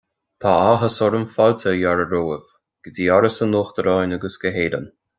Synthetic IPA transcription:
t̪ʰaaɦəsɔɾənfaltəjaɾəɾoːəv̥ | ɡ̥ədiaɾəsənoːxt̪əɾɑjnəɡəsɡ̥əɦeːdə̰n

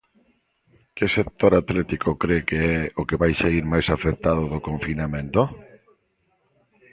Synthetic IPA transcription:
kɪsek̚t̪oɾat̪lɛt̪ikokɾekeɛokeβajseɣiɾmajsafek̚t̪að̞ʊðokoɱfinamẽnt̪o

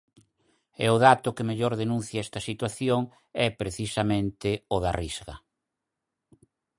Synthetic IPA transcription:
ɛ̰ʊðat̪ʊkemeʎoɾðenũn̟θjaɛst̪ɐsit̪waθjoŋ | ɛpɾeθisamẽnt̪ɪʊðarizɣɐ̰

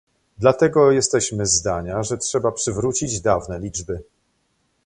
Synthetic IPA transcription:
d̪lat̪ɛɡɔjɛst̪ɛɕmɘzd̪aɲaʐɛtʂɛbapʂɘvɾut͡ɕid͡ʑd̪avnɛlʲid͡ʐbɘ

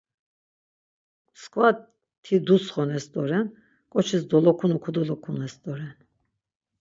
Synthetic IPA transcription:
skʰʼva | t̪ʰid̪usχɔnɛsd̪ɔɾɛn | kʼɔt͡ʃʰisd̪ɔlɔkʰunukʰud̪ulɔkʰunɛsd̪ɔɾɛn

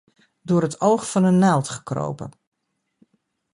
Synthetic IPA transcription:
dʊəɾətowxfɔnənːalˠtχə̥kro̰wpə̰

